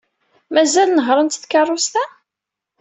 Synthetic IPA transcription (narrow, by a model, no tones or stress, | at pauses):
mæzælnəɦɾˤənt̪θkɑrˤːʊst̪æ